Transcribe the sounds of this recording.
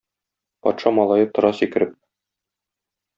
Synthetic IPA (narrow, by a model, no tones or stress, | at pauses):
pɒ̰t̪ʃɑmɒlˠɑjɤp̚t̪ŏɾɑsikɘ̆ɾɘp̚